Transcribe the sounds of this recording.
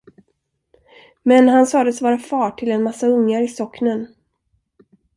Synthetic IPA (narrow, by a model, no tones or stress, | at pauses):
mɛnɦansɑːd̪əsvɑːɾafɑːʈʰɪlɛnmasːaɵŋːaɾɪsɔknən